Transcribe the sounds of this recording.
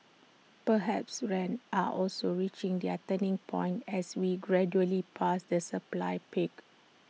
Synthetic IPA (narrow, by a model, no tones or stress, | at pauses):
pəɦɛpsɹɛ̃naʔɔlsoɹit͡ʃĩŋdiatə̃nĩŋpʰɔ̃j̃ntɛswiɡɹɛd͡ʒuəlipʰasdəsəpla̰jpik